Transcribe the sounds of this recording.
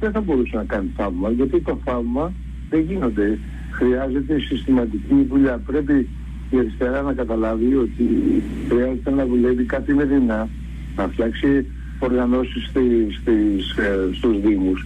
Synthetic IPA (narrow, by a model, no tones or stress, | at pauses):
ðeθɐbo̞ɾusenɐkɐniθɐvmɐʝɐt̪it̪o̞θɐvmɐ | ðe̞ʝino̞nd̪e̞ | xɾiɐze̞t̪e̞sist̪imɐt̪iciðuʎɐpɾe̞pi | ieɾist̪eɾɐnɐkɐt̪ɐlɐvio̞t̪i | xɾiɐzet̪enɐvule̞vikɐt̪imeðinɐ | nɐft̪çɐksi | o̞ɾɣɐno̞sist̪ist̪isst̪uzðimus